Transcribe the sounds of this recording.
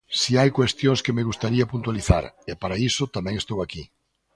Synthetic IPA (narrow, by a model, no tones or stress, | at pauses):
siajkwest̪jõŋskemeɣust̪aɾiapunt̪waliθa̰ɾɪpaɾaisʊt̪amɛ̃ŋest̪owaki